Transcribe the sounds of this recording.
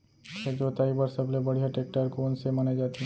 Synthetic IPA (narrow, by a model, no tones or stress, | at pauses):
ed͡ʒoːt̪aːibəɾsəblebɐɽ̤ijaʈeːk̚ʈəɾkoːnsemaned͡ʒaːt̪i